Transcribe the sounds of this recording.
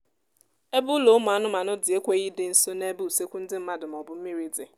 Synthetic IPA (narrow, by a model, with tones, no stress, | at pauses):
e˦bʊ˦lo˨ʊ˦mʊ˨a˨nʊ˦ma˨nʊ˦dɪ˨e˦kʷe˦ɣi˦dɪ˦n̩˦so˦ne˦bu˦u˨se˦kʷu˦n̩˦dɪ˦m̩˦ma˦dʊ˨m˨ɔ˨bʊ˦m̩˦mi˦ɾi˦dɪ˨